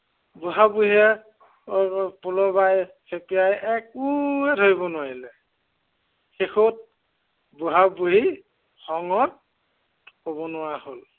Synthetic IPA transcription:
buɦabuɦiɛ | pulɔbaj | sʰekijajɛkuɛdʱoibɔnʊwaɹilɛ | xexut̚ | buɦabuɦi | xɔŋɔt̚ | kobɔnʊwahol

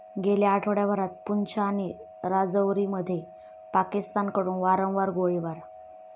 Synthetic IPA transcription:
ɡeljaːʈʰʋɽjabʱəɾat̪̚punt͡ɕaːni | ɾad͡zəwɾiməd̪ʱːje | pakist̪ankəɾuːnʋaɾə̃w̃ʋaɾɡoɭiʋaɾ

